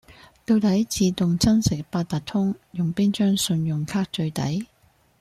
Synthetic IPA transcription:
t̪o˧wt̪ɐ˨˥jt͡siː˨˧t̪ʊ˨ŋt͡sɐ˥nsɪ˨˥k̚paː˧t̚t̪ɐ˨t̚t̪ʰʊ˥ŋjʊ˨˩ŋpiː˥nt͡ʃœː˥ŋsɵ˧njʊ˨ŋkʰaː˥k̚t͡ʃɵ˧ɥt̪ɐ˨˥j

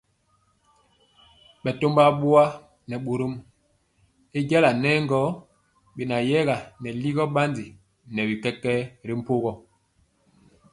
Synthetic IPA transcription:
ɓɛ˨to˦mba˦ɓo˦a˦ | nɛ˨ɓo˨ɾo˦m | e˦ɟɛ˦la˨nɛː˦ŋ˦ɡɔ˦ | ɓe˨na˨jɛ˦ɣa˨nɛ˨li˦ɣɔ˦ɓa˦ndi˨ | nɛ˨bi˨kɛ˦kːɛ˦ɾi˦m̩˦po˦ɣɔ˦˨

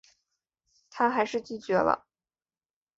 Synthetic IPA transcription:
t̪ʰa˥xa˧˥ɪʂɻ̩˥˩t͡ɕi˥˩t͡ɕɥɛ˧˥lə̰˧

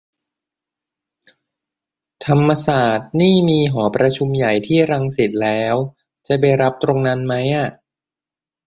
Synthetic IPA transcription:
t̪ʰa˧mːa˧saː˨˩t̪̚niː˥˩miː˧ɦɔː˩˦pɾa˧t͡ɕʰu˧mja˨˩jt̪ʰiː˥˩ɾa˧ŋsi˨˩t̪̚lɛː˦˥w | t͡ɕa˨˩ba˧jɾa˦˥p̚t̪ɾo˧ŋna˦˥nma˦˥jʔa˨˩ʔ

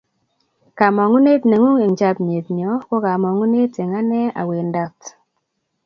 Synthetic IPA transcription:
ka˨mɔ˨ŋu˦ne˦tne˨ŋu˦ŋe˨ŋ˨t͡ʃa˦pɲe˨tɲɔ˨˦kɔ˦ka˨mɔ˨ŋu˦ne˦te˨ŋa˦nɛ˦a̰˨we˨nda˨t

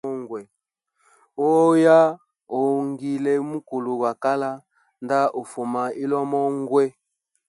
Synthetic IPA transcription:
ɔ˦ŋɡwɛ˨ | o˦ja˦ | o˨ŋɡi˨le˨mu˦ko˨lo˨ɡwa˨ka˦la˦ | nda˦ʔo˨fo˨ma˨i˦lɔ˦mɔ˦ŋ˦ɡwɛ˦

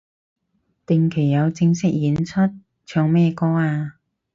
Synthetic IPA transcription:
t̪ɪ˨ŋkʰe˨˩jːɐ˨˧wt͡sɪ˧ŋsɪ˥k̚jiː˨˥nt͡sʰɵ˥t̚ | t͡ʃʰœː˧ŋmɛː˥kɔː˥aː˧

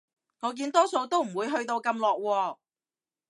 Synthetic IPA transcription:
ŋɔː˨˧k̬iː˧nt̪ɔː˥so˧wt̪o˥wm̩˨˩wuː˨˧jɦɵ˧ɥt̪o˧wkɐ˧mlɔː˨k̚wɔː˧

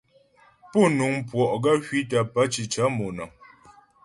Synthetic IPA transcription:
po˦˨nu˨ŋ˦pwɔ˨ʔɡa˦hɥi˦t̬a˨pa˦t͡ʃi˨t͡ʃa˨˦mo˨na˨

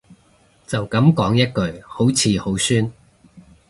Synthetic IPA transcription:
t͡sɐ˨wkɐ˨˥mkɔː˨˥ŋjɐ˥t̚kɵ˨˧ɥho˨˥wt͡sʰiː˨˧ho˨˥wsyː˥n

